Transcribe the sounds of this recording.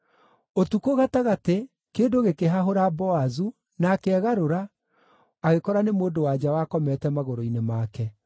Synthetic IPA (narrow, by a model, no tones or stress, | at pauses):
otukoɣataɣate | keːndoɣekeɦaɦoɾabɔazu | naːkeɛɣaɾoɾa | aɣekɔɾanemoːdowad͡ʒawaːkɔmɛtɛmaɣoɾoinemaːkɛ